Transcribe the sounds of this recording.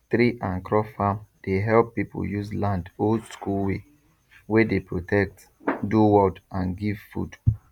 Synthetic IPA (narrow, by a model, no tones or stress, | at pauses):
tɾiʔãnkɹɔfãmd̥eɦɛlpːipʰo̰juzlãndoldskulwe | wedepɹotʰɛk̚t | duwɔdãnɡiv̥fṵd